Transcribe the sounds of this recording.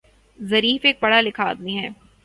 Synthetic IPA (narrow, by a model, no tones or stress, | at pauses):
zɐɾiːfeːk̚pɐɽ̤alɪkʰaːd̪iɦɛː